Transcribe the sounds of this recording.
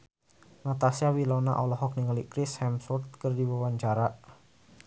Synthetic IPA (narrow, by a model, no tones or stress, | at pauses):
nat̪asiawilɔna̰ʔɔlɔɦɔk̚niŋalikɾɪshɛmsɔrt̪̚kərdiwawaɲt͡ʃaɾaʔ